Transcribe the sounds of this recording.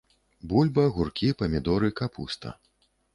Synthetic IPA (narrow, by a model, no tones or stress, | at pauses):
bulʲbɐɣurkʲipɐmʲid̪ɔɾɨkapʰṵst̪ɐ̰